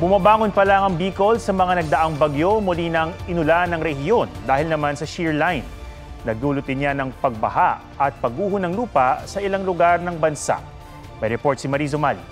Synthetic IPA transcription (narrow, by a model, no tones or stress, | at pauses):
bʊmɐbaːŋonpɐlaŋɐŋbiːko̞lsɐmɐŋanɐɡ̚d̪ɐʔaŋbɐɡjo̞mʊlinɐŋʔɪnʊlanɐŋɾɛhɪjo̞nd̪aːhɪlnɐmansɐʃiɹlajnː | ɐɡ̚d̪uːlʊt̪̚ɪnːjanɐŋpɐɡ̚bɐ̰haʔ | ɐt̪̚pɐɡuːɦʊnɐŋluːpɐsɐʔɪlaŋlʊɡaɾnɐŋbɐnsa̰ʔ | mɐjɾɛpoɹt̪simɐɾiːzomali